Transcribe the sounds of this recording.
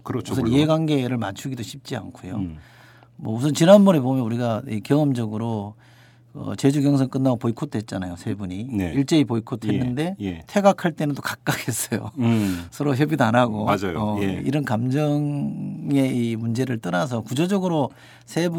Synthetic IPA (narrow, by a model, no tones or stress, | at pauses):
kɯɾusʰʌniɦe̞ɡwanɡe̞ɾɯɭmat͡ɕʰuɡidoɕʰip̚t͡ɕ͈ia̰nkʰojo̰ | mwʌus̬ʰʌnt͡ɕinanmʌɾebomjʌnuɾiɡaikjʌʌmd͡ʑʌɡɯɾo | ʌ̰t͡ɕe̞d͡ʑuɡjʌŋs̬ʰʌŋk͈ɯnːaɡopoikʰotʰhe̞t̚t͡ɕ͈anajosʰe̞buɲineiɭt͡ɕ͈eipoikʰotʰenːɯnde̞jtʰe̞ɡakʰaɭt͈e̞nɯndokak̚k͈akʰe̞s͈ʌjo̰sʰʌɾoçjʌbidanaɡoad͡ʑajoʌiɾʌnkamd͡ʑʌŋ | e̞imund͡ʑe̞ɾɯɭt͈ʌɾas̬ʰʌkud͡ʑʌd͡ʑʌɡɯɾo | sʰe̞b